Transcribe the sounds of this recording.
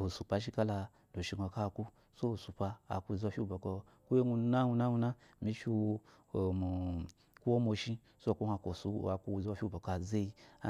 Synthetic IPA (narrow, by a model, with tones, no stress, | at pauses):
o˨su˨pa˧ʃ̬i˦ka˦la˧ | d̥o˨ʃi˧ɡo˧ka˦˨ku˦ | so˦o˨su˨pa˧a̰˨ku˧˨zo˧˨fʲi˦bo˨ko˧ | ku˦je˦ŋu˧˦na˦ŋu˧na˦ŋu˧na˦ | mi˧fʲi˧ | o˨mu˨ | ku˦o˦mo˧ʃi˧ | so˦˨ku˦hʷa˧ko˨su˦a˨ku˧˨ze˦wo˧˨fʲi˦˨bo˨ka˨ze˦i˧a˦